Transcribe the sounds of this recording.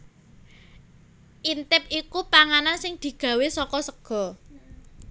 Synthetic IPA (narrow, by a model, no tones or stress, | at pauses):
ʔint̪ɪp̚ikupaŋanansɪŋd̪̥i̤ɡ̥ä̤wesɔkɔsəɡ̥ɔ̤